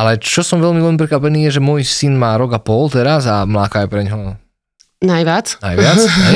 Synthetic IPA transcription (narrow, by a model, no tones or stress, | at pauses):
alɛt͡ʃɔsɔmʋɛlmiʋɛlmip̬ɾɛkʋapɛniːjɛʒɛmʊɔjsinmaːɾɔɡapɔlt̪ɛɾazamlaːkajɛpɾɛɲɦɔ | najʋjat͡sna̰jʋɪat͡sɛ